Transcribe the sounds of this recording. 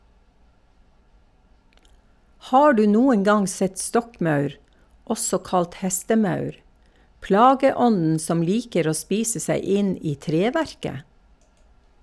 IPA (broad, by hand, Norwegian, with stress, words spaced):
ˈhɑː ˈɖʉː ˈnuːən ˈɡɑŋ ˈsɛt ˈstɔkˌmœʉɾ ˈʔɔsɔ ˈkɑlt ˈhɛstəˌmœʉɾ ˈplɑːɡəˌɔnn̩ ˈsɔm ˈliːkəɾ ˈoː ˈspiːsə ˈseɪ ˈɪn ˈiː ˈtɾeːˌʋæɾkə